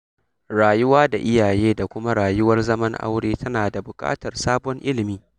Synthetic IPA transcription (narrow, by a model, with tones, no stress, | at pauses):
ɽaː˨jʊ˦waː˦da˨ʔɪ˦jaː˨jeː˦da˨kʷʊ˦ma˦ɽaː˨jʊ˦wɐ˦rzɐ˦mɐ˦ŋʔa̰˦wɽeː˦tʰɐ˦naː˨da˨bʊ˨kʼa̰ː˦tɐ˨rsaː˦bɔ˦ŋʔɪ˦lɪ˨miː˦